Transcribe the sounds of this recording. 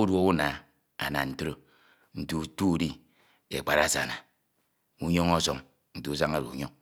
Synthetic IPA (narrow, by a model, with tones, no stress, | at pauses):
u˦dwo˦u˦na˨ | a̰˨na̰˨n̩˨to˦ɾo˦ | n̩˦tu˦u˦tu˦˨di˦ | e˨k͡pa˨ɾa˨sa̰˨na˨ | u˦ɲo˦ŋɔ˦so˨ŋ | n̩˦tu˦u˦s̬a˦ŋa˦ɾṵ˨u˨ɲo˦ŋ